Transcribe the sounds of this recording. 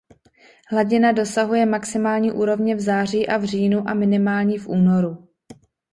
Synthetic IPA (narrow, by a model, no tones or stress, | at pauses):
ɦlaɟɪnado̞saɦujɛmaksɪmaːlɲiːʔuːɾo̞vɲɛvzaːriːʔavr̝iːnuʔamɪnɪmaːlɲifʔuːno̞ɾu